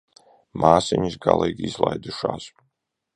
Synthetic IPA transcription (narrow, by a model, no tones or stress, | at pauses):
mʔaːsɛɲisɡalˠiːɡʲizlˠajd̪uʃaːs